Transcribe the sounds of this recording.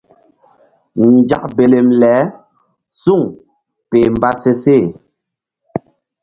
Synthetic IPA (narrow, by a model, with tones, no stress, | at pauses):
n˨d͡ʒa̰˦k̚be˨le˨mlɛː˨˦ | su˦˨ŋ | pe˨m˨ba˦se˦se˦˨